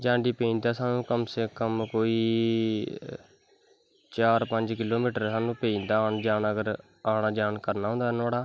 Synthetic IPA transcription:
d͡ʒãːɳɖiːpẽnd̪aːsaːnũːkəmsekəmkoːiː | t͡ʃaːɾpə̃ɲd͡ʒkɪloːmiːʈəɾsaːnũːpeind̪aːnd͡ʒaːnəɡəɾ | aːɳaːd͡ʒaːnkəɾnaːɦʊ̃ːnd̪aːnaːɽaː

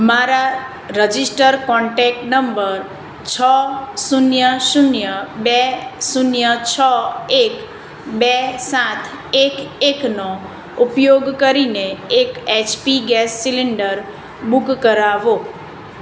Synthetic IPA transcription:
maɾa | ɾəd͡ʒisʈəɾkɔɳʈɛk̚ʈnəmbəɾ | t͡ʃʰɔsunjəsunjəbɛsunjət͡ʃʰɔek | bɛsãt̪ʰ | ekekno | upjoɡkəɾineeket͡ʃpiɡɛsːiliɳɖəɾ | bukkəɾaʋo

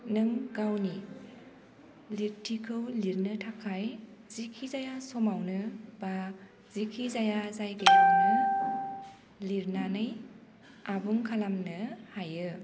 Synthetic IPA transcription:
nɯŋɡawni | liɾtʰikʰɯwliɾnɯtʰakʰajzikʰizajasɔmawnɯba | zikʰizajazajɡejawnɯ | liɾnanɯj | abuŋkʰalamnɯhajɯ

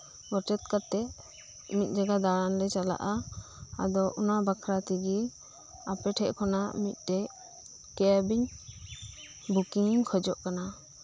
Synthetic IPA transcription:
ɡɔʈɛt̪̚kat̪ɛʔ | mit̪̚ˀd͡ʒaɡad̪aɽanlɛt͡ʃala̰ʔa | a̰d̪ɔʔunabakʰɾat̪iɡi | apɛʈʰɛʔkʰɔnamit̪̚ˀt̪ɛ | kɛabiɲ | bukiŋkʰɔd͡ʒɔʔkana

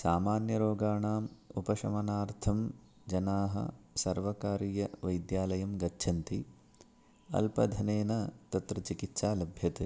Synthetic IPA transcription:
saːmaːnjɐɾoːɡaːɳaːmupɐʃɐmɐnaːɾt̪ʰɐm | d͡ʒɐnaːɦɐ̰sɐɾʋɐkaːɾijɐʋɐjd̪jaːlɐjɐmɡɐtːʃʰɐnt̪i | ɐ̰lpɐd̪ʱɐneːnɐt̪ɐt̪ɾɐt͡ʃikit̪ʃaːlɐbʱjɐt̪e

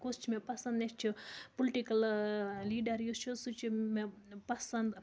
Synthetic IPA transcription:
kost͡ʃʰimepɐsɐ̃nd̪nʲest͡ʃʰipolʈikɐlliːɖɐɾjost͡ʃʰosut͡ʃʰimepɐsɐnd̪

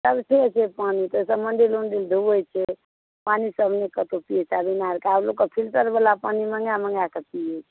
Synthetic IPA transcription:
səbʈʰet͡ʃʰepanit̪əsəbməɳɖelonɖeld̪ʱubəjt͡ʃʰɛ | panisəbʱnekət̪opiesabinaɾkeablokːəpʰilʈəɾbəlapaniməŋɡjamə̃ŋɡakəpiet͡ʃʰ

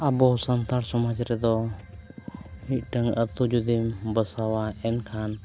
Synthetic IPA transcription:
abɔsənt̪aɾsɔmad͡ʒɾɛd̪ɔ | mit̪̚ˀʈəŋət̪ud͡ʒud̪imbəsawaɛnkʰan

